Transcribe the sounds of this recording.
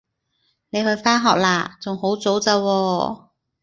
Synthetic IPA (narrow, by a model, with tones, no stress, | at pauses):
ne˨˧jhɵ˧ɥfaː˥nɦɔː˨˩k̚laː˨˩t͡sʊ˨ŋho˨˥wt͡so˨˥wt͡sɐ˧wɔː˧